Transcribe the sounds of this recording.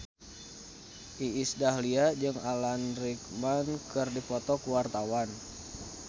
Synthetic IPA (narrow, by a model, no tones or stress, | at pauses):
ʔiisdahliad͡ʒɨŋalanrik̚mankərdipɔt̪ɔkuwart̪awan